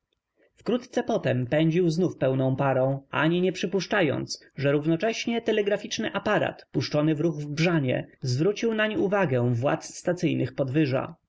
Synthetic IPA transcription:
fkɾut̪t̪sɛpɔt̪ɛmpɛɲd͡ʑiwznufpɛwnɔ̃w̃paɾɔ̃w̃ʔa̰ɲiɲɛpʂɘpuʂt͡ʂajɔ̰nt̪s | ʐɛɾuvnɔt͡ʂɛɕɲɛt̪ɛlɛɡɾafʲit͡ʂnɘʔapaɾa̰t̪puʂt͡ʂɔnɘvɾuɣvbʐaɲɛ̰zvɾut͡ɕiwnaɲiuvaɡɛ̃vwa̰t̪sst̪at̪sɘjnɘxpɔd̪vɘʐa̰

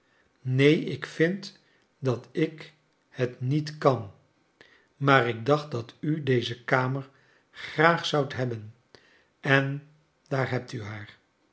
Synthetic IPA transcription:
nejɪkfɪnt | dɑtɪk | hətnitkɑn | maːrɪɡ̚dɑχt̚dɑtydejzəkaːməɹ | χraːχsʌwtɦɛbən | ʔɛn | daːɹɦɛp̚tyɦaːɹ

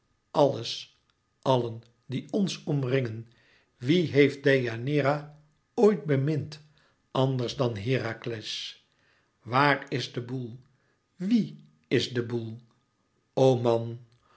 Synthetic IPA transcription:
ʔɑləs | ʔɑlən | diɔnsɔmrɪŋən | ʋiɦejft̚dejanɪːɾa | ojt̚bəmɪnt | ɑndəɹzdɑnɦɪːɾaklɛs | ʋaːrɪzdəbulˠ | ʋi | ɪzdəbulˠ | owmɑn

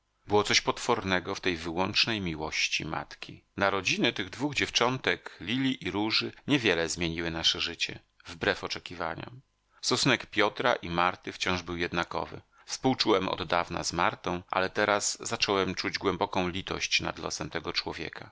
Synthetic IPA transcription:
bɘwɔt̪sɔɕpɔt̪fɔɾnɛɡɔft̪ɛjvɘwɔnt͡ʂnɛjmʲiwɔɕt͡ɕḭma̰t̪kʲinaɾɔd͡ʑinɛt̪ɘɣd̪vuɣd͡ʑɛft͡ʂɔnt̪ɛklʲilʲiʔiɾuʐɘɲɛvʲjɛlɛzmʲjeɲiwɘnaʂɛʐɘt͡ɕɛ̰ | vbɾɛfɔt͡ʂɛkʲiva̰ɲɔ̰ | st̪ɔsunɛkpʲjɔt̪ɾa̰ʔimaɾt̪ɘft͡ɕɔ̃w̃ʐbɘwjɛd̪nakɔ̰vɘ̰ | fspuwt͡ʂuwɛmɔ̰d̪ːavna̰zmaɾt̪ɔ̃w̃ʔa̰lɛt̪ɛɾazzat͡ʂɔwɛmt͡ʂud͡ʑɡwɛmbɔkɔ̃w̃lʲit̪ɔ̰ɕt͡ɕna̰d̪lɔ̰sɛmt̪ɛɡɔt͡ʂwɔvʲjɛ̰kʰa

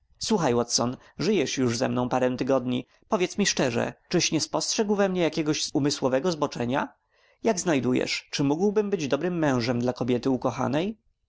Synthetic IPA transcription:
swuxajwɔt̪sɔn | ʐɘjɛʂjuʐzɛmnɔ̃w̃paɾɛw̃t̪ɘɡɔd̪ɲi | pɔvʲjɛt̪smʲiʂt͡ʂɛʐɛ̰t͡ʂɘɕɲɛspɔstʂɛɡwvɛmɲɛjakʲɛɡɔʑzumɘswɔvɛɡɔzbɔt͡ʂɛɲa | jaɡznajd̪ujɛ̰ʂt͡ʂɘmuɡwbɘmbɘd͡ʑd̪ɔbɾɘmːɛ̃w̃ʐɛmd̪lakɔbʲjɛt̪ɘukɔxa̰nɛj

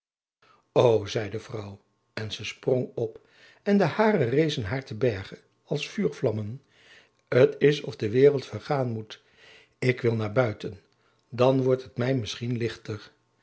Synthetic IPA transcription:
owzɛjdəvrʌw | ɛnzəsprɔŋɔp | ɛndəhaːrərejzənɦaːɹtəbɛɹχə | ɑlˠsfyːɹflɑmən | ətɪsɔfdəʋɪːrəlˠtfəɹχaːnmut | ɪkʋɪlˠnaːɹbœɥtən | dɑnʋɔɹtɦətmɛjmɪsχinlɪχtəɹ

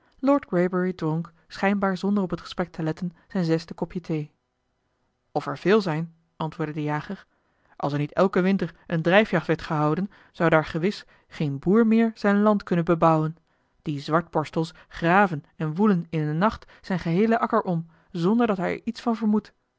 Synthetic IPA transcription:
lɔːɹdɡɹejbəɹidrɔŋk | sχɛjnbaːɹzɔndərɔpətχə̥sprɛk̚tʰəlɛtənz̥ɛjnzɛstəkɔpjətʰej | ɔfɛɹv̥ɪːlˠzɛjn | ʔɑntʋʊːɹdədəjaːχəɹ | ʔɑ̰lˠsɛɹnitɛlˠkəʋɪntəɹʔəndrɛjfjɑχtʋɛɹtχəɦɑwdən | z̥ɑwdaːɹχəʋɪs | χejnbuːɹmɪːɹz̥ɛjnlɑntkɵnənbəbʌwən | d̥izʋɑɹt̚bɔɹstəlˠs | χraːvən | ɛnʋulənɪnənɑχt | z̥ɛjnχəɦejləʔɑkəɹʔɔm | zɔndəɹdɑtɦɛjɛ̰ɹitsfɑnvəɹmut

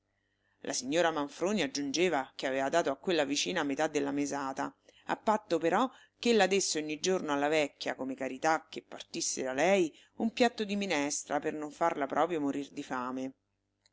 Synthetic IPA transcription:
lʔa̰siɲːoːɾamaɱfɾoːniad͡ʒːund͡ʒeːvakeaveːvad̪aːt̪oakːwelːavit͡ʃiːnamet̪ad̪ːelːamezaːt̪aa̰pːat̪ːopeɾɔ | kːelːad̪esːeoɲːid͡ʒornoalːavɛkːja̰komekaɾit̪akːepːa̰rt̪isːed̪alɛj | umpjat̪ːod̪iminɛst̪ɾapernoɱfarlapɾʔɔːpɾjomoɾird̪ifaːme

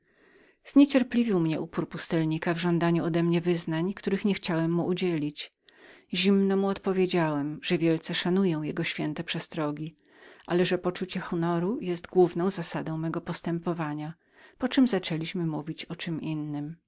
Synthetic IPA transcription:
z̥ɲɛt͡ɕɛɾplʲivʲiwmɲɛʔupuɾpust̪ɛlɲikavʐɔnd̪aɲuɔd̪ɛmɲɛvɘznaɲkt̪uɾɘxɲɛxt͡ɕawɛmːuʔud͡ʑɛlʲit͡ɕ | ʑimnɔmuɔt̪pɔvʲjed͡ʑawɛmʐ̥ɛvʲjɛlt̪sɛʂanujɔ̃w̃jɛɡɔɕfʲjɛnt̪ɛpʂɛst̪ɾɔɡʲi | ʔalɛʐɛpɔt͡ʂut͡ɕɛxɔnɔɾujɛst̪ɡwuvnɔ̃w̃zasad̪ɔ̃w̃mɛɡɔpɔst̪ɛmpɔvaɲa | pɔt͡ʂɘmzat͡ʂɛlʲiɕmɘmuvʲit͡ɕɔt͡ʂɘmʔinːɘm

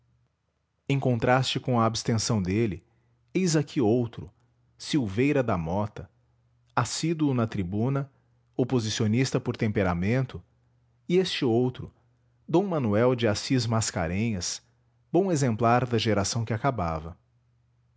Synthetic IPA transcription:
ẽj̃kõnt̪ɾast͡ʃɪkõw̃ɐːbɪst̪ẽsɐ̃w̃d̪elɪ | ejzakʰiowt̪ɾʊ | siwvejɾɐd̪ɐmɔt̪ɐ | asid̪uʊnɐt̪ɾibũnɐ | opozisionist̪ɐpoɾt̪ẽmpeɾamẽnt̪ʊ | ɪest͡ʃɪowt̪ɾʊ | d̪õw̃mɐnuɛwd͡ʒɪasizmaska̰ɾẽɲɐs | b̥õw̃ezẽmplaɾd̪ɐʒeɾasɐ̃w̃kɪakaba̰vɐ

